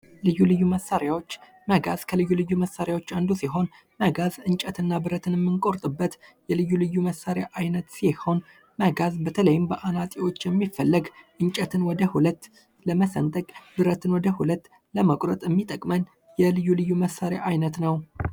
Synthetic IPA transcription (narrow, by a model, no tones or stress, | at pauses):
lɨjːulɨjːuməsːaɾjawo̞t͡ʃː | məɡazkʰəlɨjːulɨjːuməsːaɾjawo̞t͡ʃːand̪usiɦo̞n | məɡazɨɲt͡ʃʼət̪ʰɨnːabɨɾət̪ʰɨnɛmːɨnkʼo̞ɾt̪ʼɨbːət̪jɛlɨjːulɨjːuməsːaɾejaʔajnət̪siho̞n | məɡazbət̪ʰələjɪmbəʔanat̪ʼiwo̞t͡ʃːjɛmːifːəlːəɡʔɨnt͡ʃʼət̪ʰɨnwɔd̪əhulət̪ː | ləməsə̰nt̪ʼəkʼbɨɾət̪ʰɨnwɔd̪əhulət̪ː | ləməkʼɾət̪ʼɛmːit̪ʼəkʼmən | jɛlɨjːulɨjːuməsːaɾja̰ʔajnət̪nəw